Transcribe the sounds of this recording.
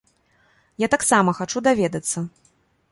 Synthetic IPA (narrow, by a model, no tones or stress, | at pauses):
jat̪aksamɐxat͡ʂud̪avʲɛd̪ɐt̪sːɐ